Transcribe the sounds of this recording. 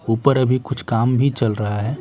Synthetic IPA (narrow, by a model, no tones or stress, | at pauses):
uːpəɾɐbʱikʊt͡ʃʰkaːmbʱit͡ʃɐlɾɐɦaɦɛː